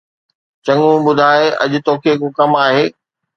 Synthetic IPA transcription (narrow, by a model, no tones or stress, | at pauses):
t͡ɕɐ̃ŋɡũbʊd̪ʱaːeɐ̰ʄʊ̆t̪oːkʰekoːkɐmaːɦeː